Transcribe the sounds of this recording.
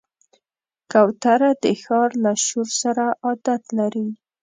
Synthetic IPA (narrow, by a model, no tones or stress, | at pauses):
kawt̪aɾad̪əxɑɾlaʃuɾsaɾaʔɑd̪at̪laɾi